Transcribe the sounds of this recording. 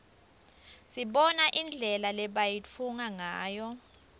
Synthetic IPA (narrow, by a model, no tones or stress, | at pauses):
siɓɔnaʔind͡ɮʱɛlalɛɓajit͡fʰuŋaŋaːjɔ